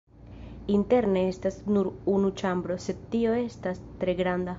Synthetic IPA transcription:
inte̞ɾne̞estasnuɾunut͡ʃambɾo̞se̞d̪̚tio̞e̞stastɾe̞ɡɾand̪a

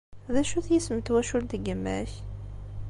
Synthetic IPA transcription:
ðæʃuθjisəmt̪wæʃult̪əɡəmːæ̰ç

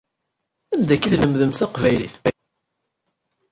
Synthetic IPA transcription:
ænd̪ækːiðləmðəmθɑqvæjlḭθmæ

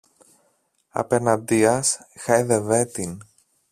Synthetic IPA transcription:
ɐ̰penɐnd̪iɐsxɐjðeve̞t̪in

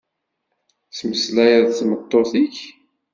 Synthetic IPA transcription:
θməslæjəðθmət̪ˤːoθiç

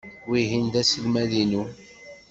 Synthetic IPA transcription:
wiɦinðæsəlmæðinu

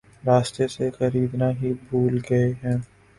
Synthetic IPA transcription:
ɾaːst̪esexɐɾiːd̪naɦibʱuːlɡɐeɦɛ̃ː

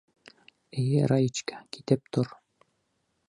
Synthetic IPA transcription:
ɘ̆jɘɾajit͡ɕkæ̥kit̪ɘp̚t̪ʰoɾ

